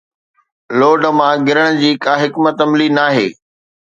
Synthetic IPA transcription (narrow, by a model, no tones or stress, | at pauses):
loːɖmãɡɪɾəɽ̃d͡ʑiːkaːɦɪkmət̪ɐmlinaːɦḛː